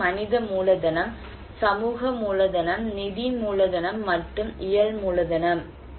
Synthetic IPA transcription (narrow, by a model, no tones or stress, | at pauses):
ɐnɪðɐmuːlɐðɐnɐm | sɐmuːɣɐmuːlɐðɐnɐmnɪðimuːɭɐðɐnɐmːɐʈrɯmɪjɐɭmuːlɐðɐnɐm